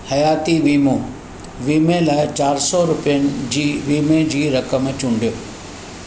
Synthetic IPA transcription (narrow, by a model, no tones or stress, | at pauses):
hɐjaːt̪iʋiːmõː | ʋiːmẽlaːɪt͡ɕaːɾsɔɾʊpijənɪ̆d͡ʑiːʋiːmẽd͡ʑiːɾɐkəmt͡ɕʊ̃ɳɖʱijoː